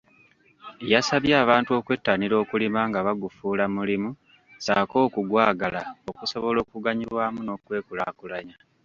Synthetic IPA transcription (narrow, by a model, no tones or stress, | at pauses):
jasaβjaːβaːntuo̞ːkwe̞tːaniɾo̞ːkulimaŋɡaβaɡufuːlamulimu | saːko̞ːkuɡwaːɡalao̞kuso̞βo̞lo̞ːkuɡaɲiβwaːmuno̞ːkwe̞ːkula̰kulaɲa